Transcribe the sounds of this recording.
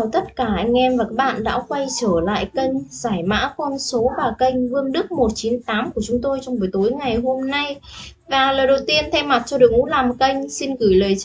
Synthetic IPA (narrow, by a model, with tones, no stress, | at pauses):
t̪ə˦˥t̚kaː˧˩ʔa˧jŋ̟ʔɛ˧mvaː˨˩kaː˦˥k̚ɓa̰ː˧˨nɗa̰ː˧˥kwa˧jt͡ɕəː˧˩la̰ː˧˨jkə˧jŋ̟zaː˧˩jma̰ː˧˥kɔ˧nso˨˦vaː˨˩kə˧jŋ̟vɨ˧əŋɗɨ˦˥ək̚mo˨˩t̚t͡ɕi˨˦nt̪aː˨˦mku˧˩ət͡ɕʊ˨˦ŋ͡mt̪o˧jt͡ɕɔ˧wŋ͡mvə˨˩jt̪o˨˦jŋa˨˩jɦo˧mna˧jvaː˨˩ləː˨˩jɗə˨˩wt̪i˧ənt̪ʰɛ˧wma˨˩t̚t͡ɕɔ˧ɗɨ˨˩əŋʔṵ˧˥laː˨˩mkə˧jŋ̟si˧nɣɨ˧˩jləː˨˩j